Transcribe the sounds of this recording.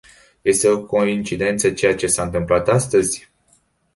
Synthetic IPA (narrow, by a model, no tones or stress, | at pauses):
je̞st̪eo̞ko̞int͡ʃid̪e̞nt̪sət͡ʃe̞jat͡ʃe̞saɨnt̪ɨmplat̪ast̪əzʲ